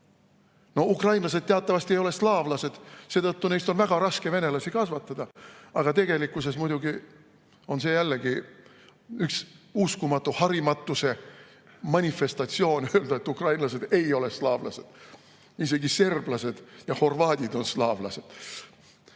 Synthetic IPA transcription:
no̞ukrɑjnlɑs̬ed̪̥t̪eɑt̪ːˑɑvɑst̪ie̞jole̞slɑːvlɑse̞d̪̥se̞ːt̪ɤt̪ːune̞jst̪o̞nvæɡ̥ɑɾɑskeve̞ne̞lɑsikɑsvɑt̪ːˑɑd̪̥ɑɑɡ̥ɑt̪e̞ɡ̥e̞likːˑuse̞smujd̪uɡi | o̞nse̞jælːeɡi | yksuskumɑt̪ːˑuhɑɾimɑt̪ːˑuse̞ | mɑnʲife̞st̪ɑt̪sio̞ːnø̞ld̪ɑe̞t̪ːˑukrɑjnlɑse̞d̪e̞jo̞leslɑːvlɑ̰se̞d̪̥ | ise̞ɡise̞rb̥lɑse̞d̪̥jɑho̞rvɑːd̪̥ʲid̪̥o̞nslɑːvlɑ̰se̞d̪̥

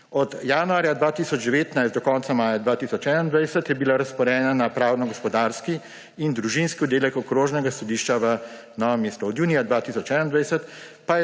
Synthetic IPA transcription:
ɔd̪jaːnuaːɾjad̪ʋaːt̪isɔd͡ʒd̪ɛʋeːt̪najst̪d̪ɔkɔnt̪samaːjad̪ʋaːt̪isɔt͡ʃɛːnand̪ʋajsət̪jɛbilaɾɐspɔɾɛːnanapɾaːwnɔɡɔspɔd̪aɾski | ind̪ɾuʒinskiɔd̪eːlɛkɔkɾoːʒnɛɡasɔd̪iːʃt͡ʃaʋə | nɔʋɔmeːst̪ɔːd̪juːnijad̪ʋat̪isɔt͡ʃɛnand̪ʋajsət̪ | pajɛ

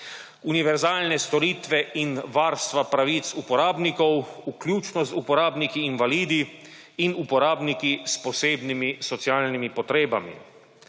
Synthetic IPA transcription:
uniʋɛɾzaːlnɛst̪ɔɾiːt̪ʋɛʔinʋaːɾst̪ʋapɾaʋiːt̪supɔɾaːbnikɔwuklʲjuːt͡ʃnɔzupɔɾaːbnikiːnʋaliːd̪i | inupɔɾaːbnikispɔseːbnimisɔt̪siaːlnimipɔt̪ɾeːbamḭ

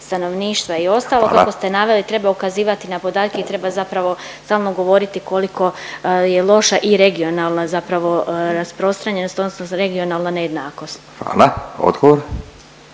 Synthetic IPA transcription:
st̪ano̞ʋniːʃt̪ʋaio̞st̪aːlˠokakost̪e̞naʋe̞lit̪ɾe̞baukaziːʋat̪inapo̞d̪aːt̪̚keit̪ɾe̞bazapɾaʋo̞ | st̪aːlˠno̞ɡo̞ʋo̞ɾit̪iko̞liko̞jelˠo̞ʃaʔiɾe̞ɡio̞naːlˠnazapɾaʋo̞ɾaspɾo̞st̪ɾaɲe̞nost̪od̪nosnoɾe̞ɡio̞nalˠnaneje̞d̪naːko̞st̪xa̰ːlao̰d̪ɡoʋoɾ

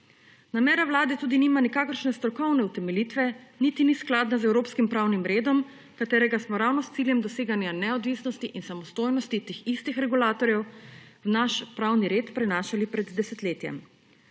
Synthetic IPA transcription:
namɛːɾawlaːd̪ɛt̪uːd̪iniːmanikaːkəɾʃnɛst̪ɾɔkɔwnɛut̪ɛmɛlit̪ʋɛnit̪inisklaːd̪nazɛwɾoːpskimpɾawnimɾeːd̪ɔm | kat̪eːɾɛɡasmɔɾawnɔst̪siljɛmd̪ɔseːɡanjanɛɔd̪ʋisnɔst̪iʔinsamɔst̪oːjnɔst̪it̪eːxist̪ixɾɛɡulaːt̪ɔɾjɛwwnaʃpɾawniɾeːt̪pɾɛnaːʃalipɾɛd̪ːɛsɛt̪leːt̪jɛ̰m

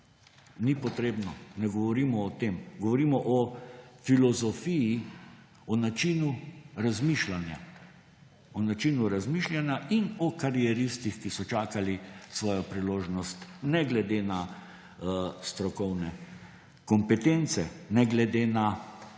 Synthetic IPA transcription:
nipɔt̪ɾeːbnɔnɛɡɔʋɔɾiːmɔːt̪eːmɡɔʋɔɾimɔʔɔfilɔzɔfiji | ɔnat͡ʃinuɾazmiʃlanja̰ | ɔnat͡ʃiːnuɾazmiʃljanjaʔinɔkaɾiɛɾist̪ixkisɔt͡ʃaːkalisʋɔːjɔpɾiloːʒnɔst̪nɛɡlɛd̪ena | st̪ɾɔkɔwnɛ | kɔmpɛt̪ent̪sɛnɛɡlɛd̪eːna

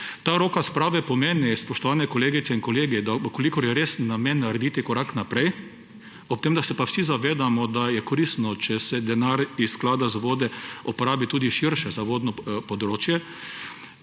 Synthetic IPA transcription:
t̪aːɾoːkaspɾaːʋɛpɔmeːnispɔʃt̪ɔʋaːnɛkɔleːɡit̪sɛinkɔleːɡid̪akolikɔɾjɛɾeːsnamenːaɾɛd̪iːt̪ikɔɾaknapɾɛj | ɔp̚t̪eːmd̪asɛpawsizaʋeːd̪amɔd̪ajɛkoɾist̪nɔt͡ʃɛsɛd̪ɛnaɾissklaːd̪azʋoːd̪ɛɔpoɾaːbit̪uːd̪iʃiɾʃɛzaʋoːd̪nɔpɔd̪ɾoːt͡ʃjɛ

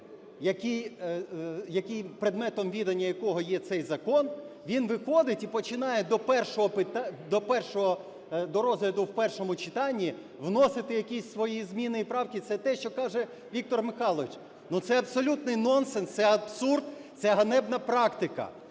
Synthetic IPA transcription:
jɐkʲij | jɐkɪjpɾɪd̪mɛt̪ɔmʋʲid̪ɐnʲːɐjɐkɔɦɔjɛt̪sɛjzɐkɔnʋʲinʋɪxɔd̪ɪtʲipɔt͡ʃɪnɑjɛd̪ɔpɛrʃɔɦɔpɪt̪ɑd̪ɔpɛrʃɔɦɔ | d̪ɔɾɔzɦlʲɐd̪ʊwpɛrʃɔmʊt͡ʃɪt̪ɑnʲːi | ʋnɔsɪt̪ɪjɐkʲisʲsʋɔjizmʲinɪipɾɑwkʲit̪sɛt̪ɛʃt͡ʃɔkɑʒɛ | ʋʲik̚t̪ɔrmɪxɑlˠɔʋɪt͡ʃ | nut̪sɛɐbsɔlʲut̪nɪjnɔnsɛnst̪sɛɐbsurd̪t̪sɛɦɐnɛbnɐpɾɑkt̪ɪkɐ̰

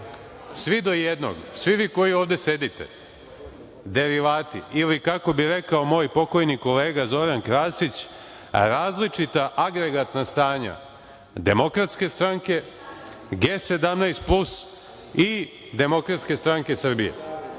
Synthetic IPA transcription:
sʋid̪o̞jed̪no̰ɡsʋiʋiːko̞jioːʋd̪e̞se̞d̪it̪ḛ | d̪e̞ɾiʋaːt̪iilikako̞biɾekao̞mo̞ːjpo̞ko̞jniko̞le̞ːɡazo̞ɾankɾaːsit͡ɕ | ɾaːzlit͡ʂit̪aʔaɡɾeɡat̪nast̪aːɲa̰ | d̪e̞mo̞kɾat̪ske̞st̪ɾaŋke̞ | ɡeːse̞d̪amnajst̪̚plus | i | d̪e̞mo̞kɾat̪ske̞st̪ɾaŋke̞sr̩bijḛ

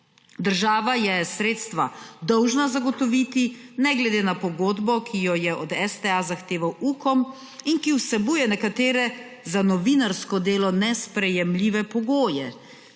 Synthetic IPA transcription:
d̪əɾʒaːʋajɛsɾeːt̪st̪ʋa̰d̪ɔwʒnazaɡɔt̪ɔʋit̪inɛɡlɛd̪eːnapɔɡoːd̪bɔkʰijɔjɛʔɔd̪ɛst̪ɛazaxt̪eːʋawuːkɔm | inkiwsɛbuːjɛnɛkat̪eːɾɛ | zanɔʋinaɾskɔd̪eːlɔnɛspɾɛjɛmliːʋɛpɔɡoːjɛ

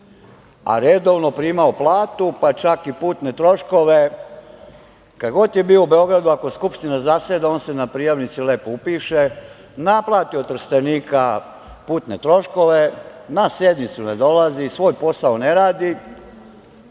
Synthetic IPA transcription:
a̰ɾed̪o̞ʋno̞pɾiːmaoplˠaːt̪upat͡ʃakipuːt̪net̪ɾo̞ʃko̞ʋe̞ | kad̪ɡo̞t̪je̞biːoube̞o̞ɡɾad̪uako̞jeskupʃt̪inazased̪aoːnse̞napɾijaʋnit̪sile̞ːpoupiːʃe | naplˠaːt̪iot̪r̩st̪eniːka | puːt̪ne̞t̪ɾo̞ʃko̞ʋe̞nase̞d̪mit̪suned̪o̞lazisʋoːjpo̞saone̞ɾaːd̪i

